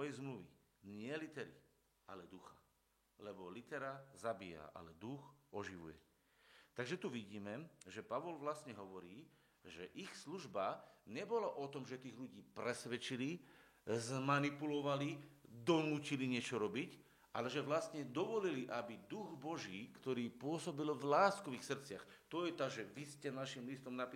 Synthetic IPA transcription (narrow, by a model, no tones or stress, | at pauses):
ɔjɛjzmluʋḭ | ɲɪɛlit̪ɛɾḭ | alɛd̪uxa̰ | lɛbɔlit̪ɛɾazabiːja̰ʔa̰lɛd̪uxɔʒiʋṵjɛ̰ | t̪aɡʒɛt̪uʋiɟiːmɛʒɛpaʋɔlʋlast̪ɲɛɦɔʋɔɾiː | ʒɛʔixsluʒbaɲɛbɔlaʔɔt̪ɔmʒɛt̪iːɣʎuɟiːpɾɛsʋɛt͡ʃili | zmanipulɔʋalid̪ɔnuːciliɲɪɛt͡ʃɔɾɔbic | ʔa̰lɛʒɛʋlast̪ɲɛd̪ɔʋɔliliʔabid̪uɣbɔʒiːkt̪ɔɾiːpʊɔsɔbilvlaːskɔʋixsr̩t͡sɪaxt̪ɔjɛt̪aːʒɛʋiscɛnaʃimlist̪ɔmnapi